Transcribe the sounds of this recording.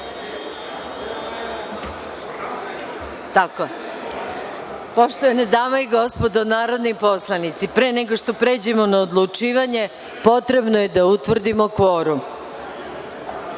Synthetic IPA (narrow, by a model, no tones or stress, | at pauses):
t̪ako | poʃt̪oʋaned̪aːmaiɡo̞spo̞d̪onaːɾo̞d̪nipo̞slˠanit̪sipɾeneɡoʂt̪o̞pɾe̞ːd͡ʑe̞mo̞naod̪lˠut͡ʂiːʋaɲe̞ | po̞t̪ɾe̞bnoje̞d̪aut̪ʋr̩d̪imokʋo̞ːɾu